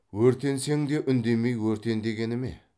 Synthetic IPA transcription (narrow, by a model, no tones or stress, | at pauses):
wɵɾt̪e̞nse̞ŋd̪eʔʏnd̪e̞me̞jwɵɾt̪e̞nd̪e̞ɡʲe̞nɪme̞̰